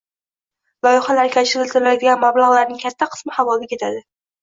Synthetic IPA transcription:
lɒjχɑlaɾkʲʰat͡ʃɪɾɪlʲt̪ɪɾɪlad̪ɪɡʲanmablˠaʁlˠaɾnɪŋkʲʰat̪ʰːaqʰɨ̥smɪhavɒlɪkʲʰe̞t̪ʰad̪ɪ

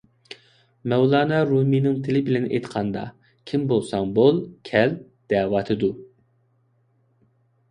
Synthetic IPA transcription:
mɛwlˠɑːnɑɾuminɪŋt̪ʰɪlɪbɪlɛnʔḛjt̪qʰɑnd̪ɑ̰ | kʲʰimbolˠsɑŋbolˠkʲʰɛl | d̪̥ɛːwɑt̪ʰɨd̪u

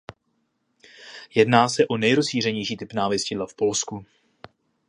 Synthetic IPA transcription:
jɛdnaːsɛʔo̞nɛjɾosʃiːr̝ɛɲɛjʃiːt̪ɪpnaːvjɛscɪdlafpo̞lsku

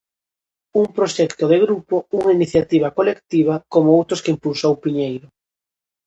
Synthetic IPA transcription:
uŋpɾoʃɛkt̪oðɪɣɾupouŋainiθjat̪iβ̞ɐkolekt̪iβ̞akomʊowt̪ɾʊskɪimpulsowpiɲejɾʊ

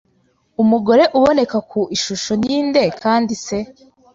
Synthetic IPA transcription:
umuɡo̞ɾe̞ʔuβo̞ne̞kakʰuiʃuʃo̞njiːnde̞kʰaːndise̞

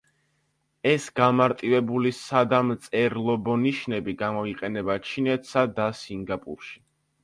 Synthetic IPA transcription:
ɛsɡamaɾt̪ʼivɛbulisad̪amt̪sʼɛɾlˠɔbɔniʃnɛbiɡamɔiqʼɛnɛbat͡ʃʰinɛt̪ʰsad̪asiŋɡapʼṵɾʃi̥

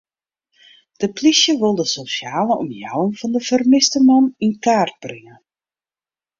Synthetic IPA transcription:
d̥əplisjəʋɪlˠdəsosjaːləʔɔmjawənfɔndəfərmɪstəmɑninkaːrt̚b̥rɪŋə

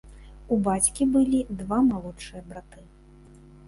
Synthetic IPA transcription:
ubat͡sʲkʲibɨlʲid̪vamalˠɔt͡ʂɨjɐbɾat̪ɨ

